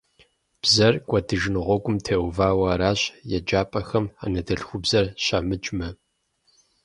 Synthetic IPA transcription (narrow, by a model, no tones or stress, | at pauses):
b̥zɐrkʷʼɔdɨʒɪnɨʁʷɔɡʷʊmtʰeːwvaːwɐːɾaːɕʼjɛd͡ʒaːpʼɐxɐma̰ːnɐdɐɬxʷʊbzɐrɕɐmɨt͡ʃʼmɐ